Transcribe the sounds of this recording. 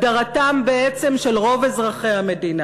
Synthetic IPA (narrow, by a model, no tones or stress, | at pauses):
daʁatambeet͡se̞mʃelʁo̞vezʁaχejhame̞dina